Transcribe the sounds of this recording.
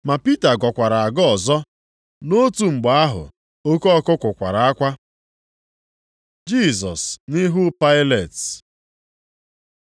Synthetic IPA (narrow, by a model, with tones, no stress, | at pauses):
ma˨pi˦ta˨ɡɔ˨kʷa˨ɾa˨a˨ɡɔ˦ɔ˨zɔ˦ | no˦tu˨ŋ͡m̩˨ɡ͡ba˨a˦ɦʊ̰˨ | o˦kɔ˦ɔ˦kʊ˦kʷʊ˨kʷa˨ɾa˨a˦kʷa˦ | d͡ʒi˦˨zɔ˨snɪ˦ɦʊ˦pa˦ɪ˦le˨t